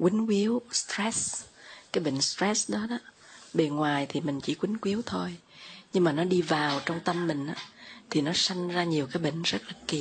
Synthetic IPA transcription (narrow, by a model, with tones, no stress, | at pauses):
kwï˨˦ŋ̟kwi˨˦əwst̪ɹɛ˦˥skaː˨˦jɓḛ˧˨ŋ̟st̪ɹɛ˦˥sɗɔ˨˦ɗɔ˨˦ | ɓe˧˩nŋwaː˨˩jt̪ʰi˨˩mï˨˩ŋ̟t͡ɕḭ˧˩kwï˨˦ŋ̟kwi˨˦əwt̪ʰo˧j | ɲɨ˧ŋmaː˨˩nɔ˨˦ɗi˧vaː˨˩wt͡ɕɔ˧wŋ͡mt̪ə˧mːï˨˩ŋ̟ʔaː˨˦t̪ʰi˨˩nɔ˨˦sa˧jŋ̟zaː˧ɲi˨˩əwkaː˨˦jɓḛ˧˨ŋ̟zə˦˥t̚laː˨˩ki˨˩